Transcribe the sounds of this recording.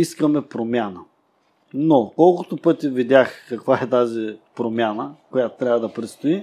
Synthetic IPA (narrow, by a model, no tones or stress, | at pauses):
iskəmɛpɾomʲjanə | nokɔlˠkʊt̪ʊpɤt̪ʲivid̪ʲaxkɐkvaɛt̪azipɾomʲjanəkojat̪ʊ̥t̪ɾavəd̪ɐpɾɛt̪st̪oi